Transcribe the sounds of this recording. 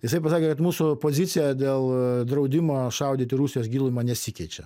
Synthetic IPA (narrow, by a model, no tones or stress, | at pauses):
jɪsɐɪpɐsɑːkʲeːkɐt̪muːsʊpoːzʲɪsʲɪjɛd̪ʲeːlˠd̪ɾɐʊd̪ʲɪmoːʃɐʊd̪ʲiːt̪ʲɪɾuːsʲɪjoːsɡʲiːlˠʊmɐnʲɛsʲikʲɛɪt͡ʃʲɛ